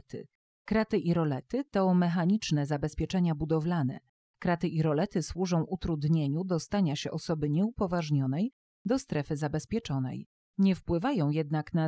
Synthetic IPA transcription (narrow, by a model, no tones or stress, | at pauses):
t̪ɘ̰ | kɾat̪ɘʔiɾɔlɛt̪ɘt̪ɔmɛxaɲit͡ʂnɛzabɛspʲjɛt͡ʂɛɲabud̪ɔvlanɛ̰ | kɾat̪ɘʔiɾɔlɛt̪ɘswuʐɔ̃w̃ʔut̪ɾud̪ɲeɲud̪ɔst̪aɲaɕɛʔɔsɔbɘɲɛupɔvaʐɲɔnɛj | d̪ɔst̪ɾɛfɘzabɛspʲjɛt͡ʂɔnɛ̰j | ɲɛfpwɘvajɔ̃w̃jɛd̪nakna